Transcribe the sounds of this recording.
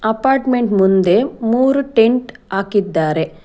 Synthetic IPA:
ɐpaːɾʈmeɳʈmund̪e̞muːɾuʈeɳʈaːkid̪ːaːɾe

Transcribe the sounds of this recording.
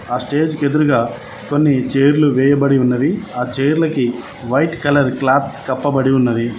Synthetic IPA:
aːsʈe̞ːd͡ʒked̪uɾuɡaː | ko̞nːit͡ʃeːɾluʋɛːjɐbɐɽiunːɐd̪iaːt͡ʃeːjɾlɐki | ʋɐjʈkɐlɐɾklaːt̪kɐpːɐbɐɽiunːɐd̪i

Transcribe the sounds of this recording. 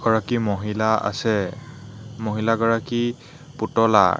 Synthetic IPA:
ɡɔɹakimoɦilaa̰sɛ | moɦilaɡɔɹaki | putɔla̰

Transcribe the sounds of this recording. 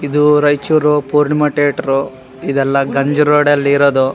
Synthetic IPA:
id̪uɾɐjt͡ʃuɾupuːɾɳimɐʈeːʈɐɾu | id̪ɛlːɐɡɐɲd͡ʒɐɾoːɽɐlːiːɾod̪u

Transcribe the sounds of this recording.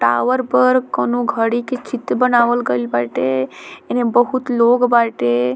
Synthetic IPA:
ʈa̰ʋəɾpəɾkənoɡʱəɽiket͡ʃit̪bənaːʋəlɡəlbaʈeenebəɦut̪loɡbaʈe

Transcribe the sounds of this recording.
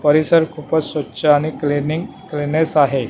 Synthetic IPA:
pəɾisəɾkʰupət͡ssʋətːɕʰəaɽ̃ikliniŋ | klinesaɦe

